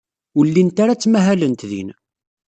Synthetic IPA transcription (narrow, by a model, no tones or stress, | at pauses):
ʊlːint̪aɾat͡sːmæɦælənt̪ðḭn